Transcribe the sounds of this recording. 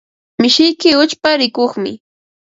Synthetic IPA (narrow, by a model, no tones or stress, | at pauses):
mɪʃɪjkɪʊt͡ʃpaɾɪkoχmɪ̰